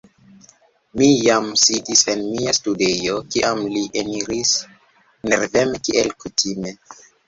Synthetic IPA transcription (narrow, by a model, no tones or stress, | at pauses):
mijamsidise̞nmiastudejo̞kiʔamliʔeniɾis | neɾvemkiʔelkutʰime̞